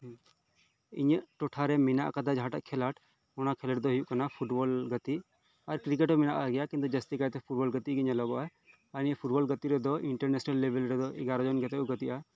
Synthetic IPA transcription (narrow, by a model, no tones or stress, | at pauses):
ḭɲəʔʈɔʈʰaɾɛmina̰ʔkad̪ad͡ʒɦaʈa̰ʔkʰɛlaʈ | mɔnakʰɛləʈd̪ɔɦijuʔkanapʰuʈbɔlɡət̪i | aɾkɾik̬eʈɔmina̰ʔaɡɛjakint̪ud͡ʒəst̪ikajt̪ɛpʰuʈ̚bɔlɡət̪iɡiɲəlɔɡɔʔa | aɾiɲəpʰuʈbɔlɡət̪iɾɛd̪ɔʔiɳʈəɾnɛsnalːebɛlɾɛd̪ɔʔɛɡaɾɔd͡ʒɔnɡɛt̪ɛuɡət̪iʔa